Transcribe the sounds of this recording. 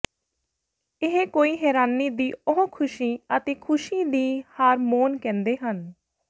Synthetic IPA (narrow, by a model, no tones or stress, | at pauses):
ɪɦekoːiːɦɛːɾaːniːd̪iːʊɦõːkʰʊʃiːət̪eːkʰʊʃiːd̪iːhaːɾmoːnkɛ̃ːnd̪eːɦən